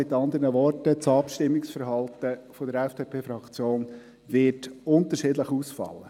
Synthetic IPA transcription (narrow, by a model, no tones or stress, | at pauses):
ɪt̪ɑnd̪əɾnəʋɔrtət͡sɑpʃtɪmːɪksfəɾɦɑlt̪əfodəɾɛfd̥eːpʰeːfɾɑkt͡sjoːn | ʋɪtʊnt̪əʃɪdləχuːsfɑ̰lːə